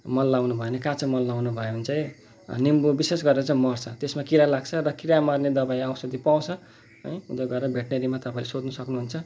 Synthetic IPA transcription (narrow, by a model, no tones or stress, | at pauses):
mʌnlawnubʱʌenekãt͡sʰʌmʌnlawnubʱʌeɦunt͡sʌi | nimbobisesɡʌɾeɾʌt͡saĩmʌrt͡sʰʌt̪esmakiɾalaɡt͡sʰʌrʌkiɾamʌrned̪ʌbaĩawsʌd̪ipaw̃t͡sʰʌ | ɦʌjũd̪ʌɡʌeɾʌbʱeʈneɾimat̪ʌpaĩlesod̪nʌsʌknuɦunt͡sʰʌ